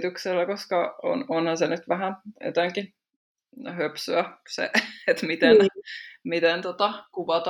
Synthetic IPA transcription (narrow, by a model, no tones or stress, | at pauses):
t̪ykselːækoskɑo̰nonhɑnsenyt̪ʋæɦæo̰t̪æŋki | høpsyæsḛet̪mit̪enmit̪ent̪ot̪ɑkuʋɑt̪